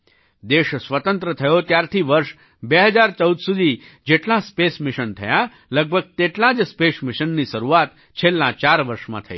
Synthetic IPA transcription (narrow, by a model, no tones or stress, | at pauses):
d̪eʃsʋət̪ənt̪ɾət̪ʰəjot̪jaɾt̪ʰiʋəɾʃ | beɦəd͡ʒaɾt͡ʃəud̪sud̪ʱi | d͡ʒeʈlãspesmɪʃənt̪ʰə̰ja | ləɡ̚bʱəɡ̚t̪eʈlãd͡ʒspesmɪʃənːiʃəɾuat̪ | t͡ʃʰelːãt͡ʃaɾʋəɾʃmã̰t̪ʰə̰ḭ